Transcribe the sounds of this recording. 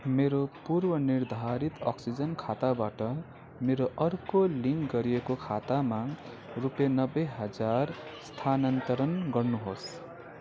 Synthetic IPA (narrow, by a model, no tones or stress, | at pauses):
meɾopurbʌnird̪ʱaɾit̪ʌ̰ksid͡zʌnkʰat̪abaʈʌ | meɾoʔʌrkoliŋkɡʌɾijekokʰat̪ama | rupjenʌbːeɦʌd͡zarst̪ʰanʌnt̪ʌɾʌnɡʌrnuɦos